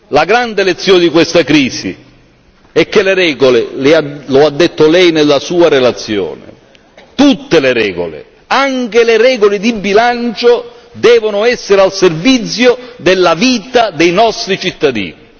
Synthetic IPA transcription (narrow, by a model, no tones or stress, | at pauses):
laɡɾand̪elet̪sːjɔːnɪd̪ikwest̪akɾiːzḭ | ɛk̟ːeleɾɛːɡolelɪaload̪ːet̪ːolɛjnelːasuːaɾelat̪sːjɔ̰ːnɪ̰ | t̪ut̪ːeleɾɛːɡo̰lḛ | aŋkeleɾɛːɡolɪd̪ibːilant͡ʃo | d̪ɛːvonʊɛsːeɾealservit̪sːjod̪elːaviːt̪ad̪ɛjnɔst̪ɾit͡ʃit̪ːad̪ḭːni